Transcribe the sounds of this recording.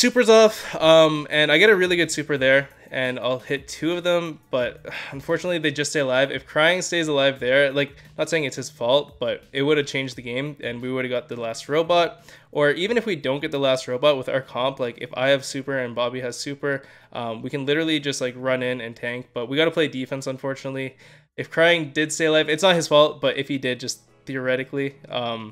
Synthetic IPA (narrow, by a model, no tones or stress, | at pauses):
sʉpə˞zɔfʌ̃mɨ̃naɪɡɛɾɨɹɪlˠiɡʊd̥sʉpə˞ðə˞ | ɨ̃na̰ɪlˠhɪtʰʉʌvðə̃mb̥ʌt̚ʌ̃ɱfɔɹt͡ʃnətˡliðeɪd͡ʒʌststeɪəlaɪvɨ̰fkʰɹ̥aɪɪ̃ŋsteɪzəlaɪvðə˞laɪk̚ | nətseɪɪ̃ŋɨtshɨz̥fɔlˠt̚b̥ʌɾɪt̚wʊɾɨv̥t͡ʃʰẽɪ̃nd͡ʒðɨɡẽɪ̃mɨ̃nwiwʊɾɨvɡɑt̪̚ðɨlæst̚ɹoʊbɑt̚ | ʔə˞ʔivɨ̃nɨfwidõʊ̃nɡɛt̪̚ðəlæst̚ɹoʊbɑt̚wəða̰ʊə˞kʰɑ̃mplaɪkɨ̰fa̰ɪɨv̥sʉpə˞ɨ̃nbɑbiɨz̥sʉpə˞ | ʔʌ̃mwikɨ̃nlɪɾə˞l̩ˠid͡ʒʌst̚laɪkɹʌ̃nɪ̃nɨ̃ntʰæ̃ŋk̚b̥ʌt̚wiɡɑɾəpʰl̥eɪdifɛ̃nsə̃ɱfɔɹt͡ʃɨnətˡli | ɨfkʰɹ̥aɪɪ̃ŋdɪd̥steɪəlaɪvɨtsnət̚hɨz̥fɔlˠt̚b̥ʌɾʔɪfhidɪd̚d͡ʒʌs | θiə˞ɛɾɨkliʌ̃m